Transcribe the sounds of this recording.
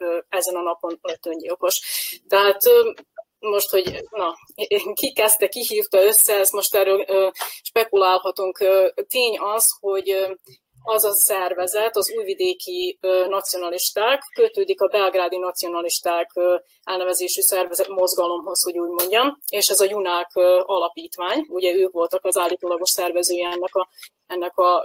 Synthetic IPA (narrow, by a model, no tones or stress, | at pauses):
ɛzɛnɒnɒpo̞nt̪øːɲɟilko̞ʃt̪ɛɦaːt̪ø | mo̞ʃt̪ho̞ɟnɒ | kikɛst̪ɛkiɦiːft̪ɒø̞sːɛɛst̪mo̞ʃt̪ɛrːøːløːʃpɛkulaːlɦɒt̪uŋkøt̪eːɲɒsho̞ɟ | ɒzɒsɛrvɛzɛt̪ɒzuːjvid̪eːkiøːnɒt̪sijo̞nɒliʃt̪aːkːøt̪øːd̪ikɒbɛlɡraːd̪inɒt̪sijo̞nɒliʃt̪aːkː | ɛlnɛvɛzeːʃysɛrvɛzɛt̪mo̞zɡɒlo̞mho̞sho̞ɟuːɟmo̞ɲɟɒmeːʃɛzɒjunaːkɒlɒpiːt̪ʋaːɲuɟɛøːkʋo̞lt̪ɒkɒzaːlːiːt̪oːlɒɡo̞ʃsɛrvɛzøːjɛɛnːɛkɒ | ɛnːɛkɒ